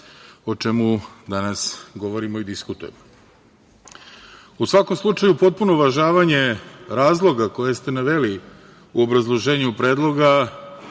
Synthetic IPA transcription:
o̞t͡ʃe̞mud̪anasɡo̞ʋo̞ɾimo̞id̪iskut̪uje̞̰mo | usʋako̞mslˠut͡ʂajupo̞t̪̚puno̞ʋaʒaːʋaɲe̞ɾaːzlˠo̞ɡako̞je̞st̪e̞naʋe̞li | uo̞bɾazlˠoʒe̞ːɲupɾeːd̪lˠo̞ɡa

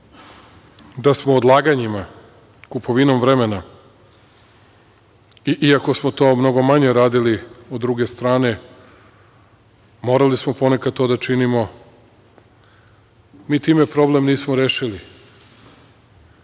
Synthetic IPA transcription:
d̪asmoːd̪lˠaːɡaɲima | kupʰoʋinomʋɾemena | iʔiako̞smo̞t̪o̞ːmno̞ɡo̞maɲe̞ɾaːd̪iliod̪ːɾuɡe̞st̪ɾaːne̞ | mo̞ɾalismopo̞nekad̪̚t̪od̪at͡ʃinimo̞ | miːt̪iːmepɾo̞ble̞mniːsmoɾeːʃili

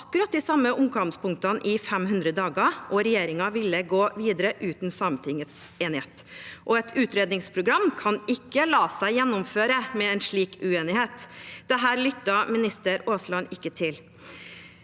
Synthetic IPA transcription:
ɑkːʉɾɑt̪̚d̪ɪsɑmːəʔʊŋɡɑŋspʊŋk̚t̪ənʔɪfɛmhʉnd̪ɾəd̪ɑːɡɑʔɔɾɛjeːɾɪŋɑʋɪlːəɡoːʋiːd̪əɾəʔʉːt̪n̩sɑːmənt̪ʰɪŋːət̪seːnɪheːt̪ʔɔɛt̪ʰʉːt̪ɾeːd̪nɪŋspʰɾʊɡɾɑmːkʰɑnɪkːəlɑːsæɪjɛnːʊmføːɾəmɛɛnʂɭiːkʰʉeːnɪheːt̪d̪̥ɛɦæːɾlʏt̪ːɑmɪnɪst̪əɾoːslɑnɪkːət̪ʰɪl

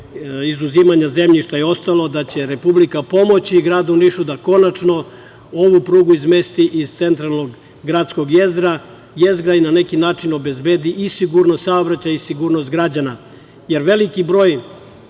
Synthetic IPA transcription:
izuziːmaɲaze̞mʎiʃt̪ajeo̞st̪alo̞d̪at͡ɕe̞ɾe̞publikapo̞mo̞t͡ɕiɡɾaːd̪uniʃud̪ako̞nat͡ʂno̞ | oʋupɾuːɡuizme̞st̪iʔiz̥t̪se̞nt̪ɾalˠnoɡ | ɡɾat̪sko̞ɡjezɾa | jezɾainane̞kinaːt͡ʃino̞be̞zbeːd̪iʔisiɡuɾnost̪saobɾat͡ɕaisiɡuːɾnost̪̚ɡɾad͡ʑana | je̞ɾʋe̞likibɾo̞ːj

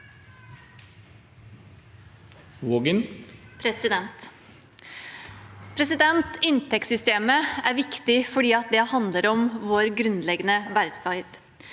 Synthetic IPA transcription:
ʋoɡənpʰɾɛsɪd̪ɛnt̪ | pʰɾɛsɪd̪ɛnt̪ɪnt̪ʰɛksʏst̪eːməæːɾʋɪkt̪ɪfɔɖiːɑt̪̚d̪ɛhɑnd̪ləɾɔmʋoːɾɡɾʉnlɛɡənəʋæɾt̪fɑɪɾd̪

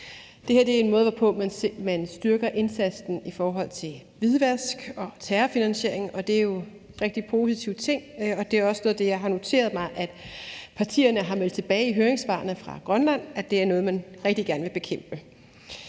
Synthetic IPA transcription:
d̥e̝heɐd̥e̝æɐe̝nmɔ̽ːð̞ˠʋɒpʰɔ̰̽mæmænsd̥yɐɡ̥ɐʔe̝nsæd̥sd̥n̩ifɒːɦɒ̽l̰t͡sʰe̝lʋið̞ˠʋæɐsɡ̥ɒ̽t͡sʰæːɐfinænsɕe̝ɐ̰e̝ŋʔɒ̽d̥e̝æɐjo̝ | ʁeɡ̥̚d̥ipʰo̝sit͡sʰiʊt͡sʰe̝ŋ̰ɒ̽d̥e̝æɐɒ̽snɔ̽ːð̞ˠd̥ejɑ̈ɪɦɑ̈no̝t͡sʰe̝̰ːɐð̞̩ˠmɑ̈ɪʔæd̥pʰɑ̈t͡sʰḭːɐnəɦɑ̈mel̰d̥̚t͡sʰe̝b̥ɛːɪiɦøːɐeŋsʋɑ̰̈ːnðfʁɑ̈ɡ̥ʁɶnlæn̰æ̥d̥e̝æɐnɔ̽ːð̞̩ˠmænʁɛɡ̥̚d̥iɡ̥æɐnəʋe̝b̥e̝kʰem̰b̥ə

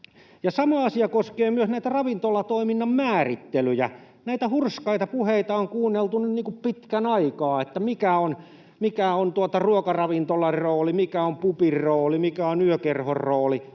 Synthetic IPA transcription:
jɑsɑmɑɑsiɑkoskeːmyøsnæit̪ærɑʋint̪olːɑt̪oiminːɑmmæːrit̪ːelyjæ̰ | næit̪æhurskɑit̪ɑpuheit̪ɑoŋkuːnːelt̪unynniːŋkuppit̪kænɑikɑːet̪ːæmikæon | mikæont̪uot̪ɑruokɑrɑʋint̪olːɑroːlimikæompupirroːlimikæonyøkerhorroːli

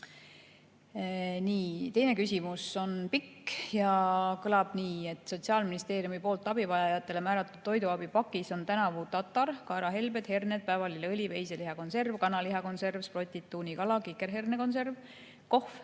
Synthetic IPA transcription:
niːt̪e̞jne̞kysimuso̞npikːjɑkɤlɑb̥niːe̞t̪ːˑso̞t̪ʲsiɑːlminist̪e̞ːɾiumipoːlt̪ːˑɑb̥ivɑjɑjɑt̪ːˑe̞le̞mæːɾɑt̪ːˑud̪̥t̪ːo̞jd̪uɑbipɑkːˑiso̞nt̪ænɑvut̪ːɑt̪ːˑɑɾkɑːɾɑɦe̞lbe̞d̪he̞rned̪̚pæːvɑlilɤlʲive̞jseliɦɑko̞nse̞rvkɑnɑliɦɑko̞nse̞rvspro̞t̪ʲːit̪ːuːnikɑlɑkikːe̞ɾɦe̞rneko̞nse̞rv | ko̞hf

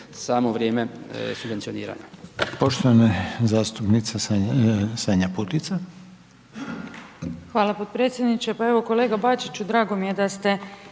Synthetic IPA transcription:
saːmoʋɾjeːmesubʋent̪sionḭːɾa̰ɲapo̞ʃt̪oʋanazaːst̪upnit̪se | saɲaput̪it̪sa | xʋaːlapod̪̚pɾet̪sjed̪nit͡ʃepae̞ʋo̞ko̞leːɡabat͡ʃit͡ɕud̪ɾaːɡo̞mije̞d̪ast̪e̞

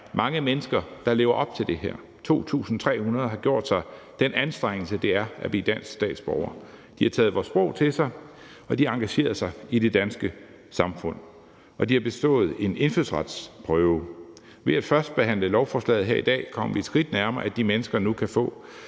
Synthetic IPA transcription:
mɑ̈ŋəmenəsɡ̥ɐd̥ɑ̈le̝ːʊɐʔɒ̽b̥̚t͡sʰe̝ld̥e̝ɦæ̰ɐ̰ | t͡sʰo̝̰ːt͡sʰṵːsn̩t͡sʰʁɛ̰ːhunɐð̞ˠɦhɑ̈ɡ̥jo̝ɐ̰d̥sɑ̈ɪd̥enænsd̥ʁaŋ̰l̩səd̥e̝æɐæb̥id̥æn̰sɡ̥sd̥ɛ̰ːd̥sb̥ɒʊɐ | d̥ihɑ̈t͡sʰɛːð̞̩ˠʋɒ̰sb̥ʁɔʊ̰t͡sʰe̝lsɑ̈ɪ | ɒ̽d̥iɑ̈ŋɡ̥æɕe̝̰ːɐsɑ̈ɪid̥e̝d̥ænsɡ̥ə | sɑ̈mfɔ̽n̰ | ɒ̽d̥ihɑ̈b̥e̝sd̥ɔ̰̽ːð̞̩ˠe̝ne̝nfyðˠsʁɑd̥spʰʁœːʊ | ʋe̝æd̥fɶɐsd̥̚b̥e̝ɦæn̰ləlɒʊfɒːslɛ̰ːð̩ˠɦeɐ̰id̥ɛ̰ːkʰɒ̽m̰ɐʋied̥sɡ̥ʁid̥næɐmɐːæd̥imenəsɡ̥ɐnukʰæfɔ̰̽ː

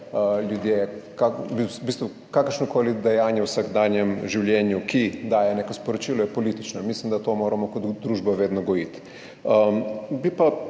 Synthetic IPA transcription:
əljud̪jejɛkabibist̪ʋu | kakəɾʃnɔkoːlid̪ɛjaːnjɛwsaɡd̪aːnjɛmʒiwljɛːnjukid̪aːjɛneːkospɔɾɔt͡ʃiːlɔjɛpolit̪it͡ʃnɔmislimd̪at̪oːmoːɾamɔkɔt̪d̪ɾuːʒbaʋeːd̪nɔɡɔjit̪ | əbipa

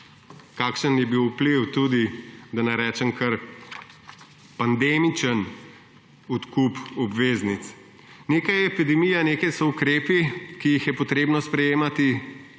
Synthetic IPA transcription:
kaːkʃənjɛbiwupliwt̪ud̪id̪anɐɾɛːt͡ʃɛmkɐɾ | pand̪emit͡ʃən | ut̪kupɔbʋeːznit̪s | neːkajɛpid̪ɛmijaneːkajsɔukɾeːpikijixjɛpɔt̪ɾeːbnɔspɾɛjeːmat̪i

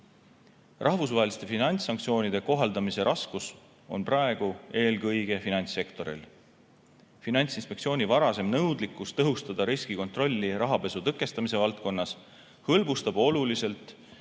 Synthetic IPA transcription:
rʔɑhvusvɑɦelist̪e̞finɑnʲt̪ssːɑŋkt̪sio̞ːnid̪̥e̞ko̞ɦɑld̪ɑmise̞ɾʔɑskus | o̞̰nprɑe̞ɡ̥ue̞ːlɡɤjɡe̞finɑnʲt̪sːe̞kt̪o̞ɾḭl | finɑnʲt̪sinspe̞ktsio̞ːnʲivɑɾɑse̞mnɤwd̪likːˑust̪ɤɦust̪ɑd̪̥ɑɾiskiko̞nt̪ˑro̞lʲːiɾɑɦɑpe̞sut̪ɤkːˑe̞st̪ɑmise̞vɑlt̪̚ko̞nːɑs | hɤlbust̪ɑb̥o̞lulise̞lt̪ːˑ

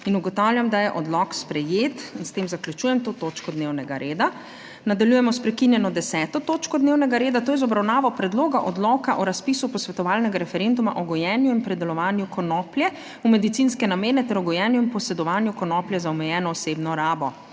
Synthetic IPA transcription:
inuɡɔt̪awlʲjamd̪ajɛʔɔd̪lɔkspɾɛjeːt̪inst̪emzaklʲjut͡ʃuːjɛmt̪oːt̪oːt͡ʃkɔd̪newnɛɡaɾeːd̪a | nad̪aljuːjɛmɔspɾɛkinjɛnɔd̪ɛsɛːt̪ɔt̪oːt͡ʃkɔd̪neːwnɛɡaɾeːd̪at̪oːjɛzɔbɾawnaːʋɔpɾɛd̪loːɡaʔɔd̪lɔːkaʔɔɾaspiːsupɔsʋɛt̪ɔʋaːlnɛɡaɾɛfɛɾend̪umaʔɔɡɔjɛːnjuinpɾɛd̪ɛlɔʋaːnjukɔnɔpljɛ | umɛd̪it̪sinskɛnameːnɛt̪ɛɾɔɡɔjɛːnjuinpɔsɛd̪ɔʋaːnjukɔnɔːpljɛzaɔmɛjɛːnɔːseːbnɔɾaːbɔ

